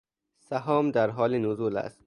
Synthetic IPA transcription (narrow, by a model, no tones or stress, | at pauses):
sæɦɒːmd̪æɾɦɒːlinozuːlæ̰st̪